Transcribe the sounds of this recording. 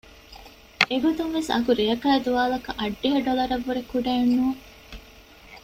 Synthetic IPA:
eɡod̪unʋesɐ̰kuɾijɐkæːd̪uʋaːlɐkɐʔɐɖːiɦɐɖolɐɾɐʋːuɾekuɖeːnːuː

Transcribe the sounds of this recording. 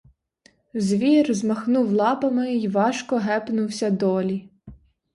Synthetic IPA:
zʲʋʲirzmɐxnuwlˠɑpɐmɪiʋɑʃkɔɦɛpnʊwsʲɐd̪ɔlʲi

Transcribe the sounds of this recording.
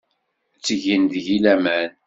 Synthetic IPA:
t͡sːəʝənd̪ʝilæmæn

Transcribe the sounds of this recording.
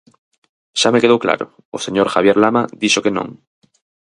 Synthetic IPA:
ʃamekeðowkla̰ɾo̰ | ose̞ɲoɾxaβjeɾlamaðiʃokenõ̰ŋ

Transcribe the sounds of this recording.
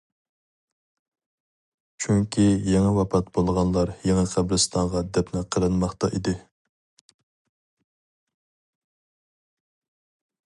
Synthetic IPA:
t͡ʃʰyŋkʲʰijɛŋɛwɑpʰɑt̪bolˠʁɑnlˠɑɾjeŋɛqʰæbɾɨst̪ʰɑŋʁɑd̪ɛpnɪqʰəɾɨnmɑχt̪ɑ̰ʔid̪ɪ

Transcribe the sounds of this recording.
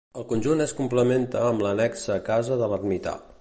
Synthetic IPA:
əlˠkunʲʒuneskumpləment̪əːmblənɛksəːkazəðələrmit̪a̰l

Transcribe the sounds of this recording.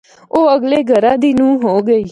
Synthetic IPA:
oːəɡleːɡʱəɾãːd̪inũːɦoːɡəiː

